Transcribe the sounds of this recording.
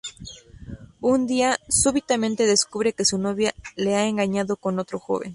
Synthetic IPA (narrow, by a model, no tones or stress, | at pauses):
und̪iasuβit̪amẽnt̪e̞ðe̞skuβɾe̞ke̞suno̞βjale̞aeŋɡaɲaðo̞ko̞no̞t̪ɾo̞xo̰βḛn